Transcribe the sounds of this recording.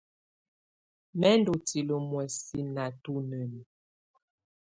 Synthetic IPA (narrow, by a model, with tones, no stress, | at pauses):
mɛ˦ndo˨ti˨lə˨mwɛ˨si˦na˨tu˦nə˨mi˨